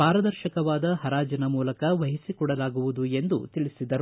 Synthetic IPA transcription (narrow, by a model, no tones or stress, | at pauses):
paːɾɐd̪ɐɾʃɐkɐʋaːd̪ɐɦɐɾaːd͡ʒɐnɐmuːlɐkɐʋɐɦisikɔɽɐlaːɡuʋud̪ue̞nd̪ṵt̪iɭisid̪ɐɾu